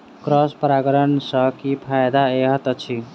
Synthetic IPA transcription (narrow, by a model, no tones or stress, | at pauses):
kɾɔspəɾaɡəɾənsʌkipʰajd̪aeɦət̪t͡ʃʰi